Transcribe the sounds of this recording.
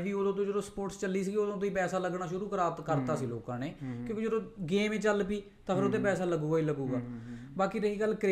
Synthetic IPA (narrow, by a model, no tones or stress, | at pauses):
ʋiːoːd̪õːt̪õːd͡ʒəd̪oːspoːʈst͡ʃəliːsiːɡoːd̪õːt̪õːiːpɛːsaːləɡnaːʃʊɾuːkəɾaːt̪kəɾt̪aːsiːlo̰ːkãːneːkjõːkid͡ʒəd̪õːɡeːmẽːt͡ʃəlpiː | t̪ãːpʰɪɾoːt̪ẽːpɛːsaːləɡuːɡaːiːləɡuːɡaːbaːkiːɾəɦiːɡəlːkɾ